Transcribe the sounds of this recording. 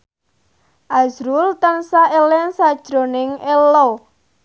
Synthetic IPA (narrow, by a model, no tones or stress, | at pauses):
ʔazɾult̪ənsaʔelɛnsad̥ʒ̥ɾo̤nɪŋelo